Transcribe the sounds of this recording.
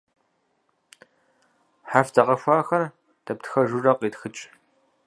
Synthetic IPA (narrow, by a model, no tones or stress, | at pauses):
ħafdʰɐqɐɕʷaːxɐr | d̥ɐptxɐʒurɐqʼiːtxɨt͡ʃʼ